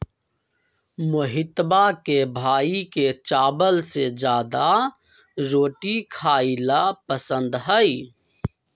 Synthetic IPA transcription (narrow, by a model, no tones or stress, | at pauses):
mʊɦɪt̪bakebʱaːiket͡ʃaːbəlsed͡ʒjaːd̪a | ɾoːʈikʰaːɪlapəsə̃nd̪ɦəi